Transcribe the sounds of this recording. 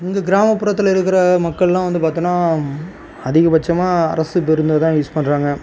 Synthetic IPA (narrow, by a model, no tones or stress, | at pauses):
ɪŋɡɐɡɪɾaːmɐpːʊɾɐt̪ːɪlɐɪɾɯkːɪɾɐmɐkːɐɭlãːʋɐnd̪ɯpaːɾt̪ɯːnaː | ɐðɪɣɐpɐt͡ʃːɐmaːɐ̰ɾɐsɯpɛɾɯnd̪ɐt̪ãːjuːspɐɳːɾaːŋɡɐ